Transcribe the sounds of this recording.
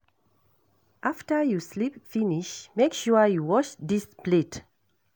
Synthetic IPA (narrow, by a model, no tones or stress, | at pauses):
ʔaftəjuslipfiniʃmekʃuəjuwɔt͡ʃdisplit